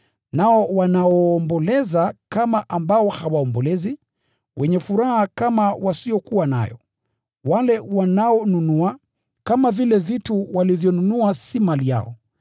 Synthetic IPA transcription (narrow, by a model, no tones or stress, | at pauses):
naɔwanaɔːmbɔlɛzakamaʔambaɔhawaɔmbɔlɛzi | wʔɛɲɛfuɾahakamawasiɔkuwana̰jɔ̰ | walɛwanaɔnunua | kamavilɛvituwalivjɔnunuasimalija̰ɔ̰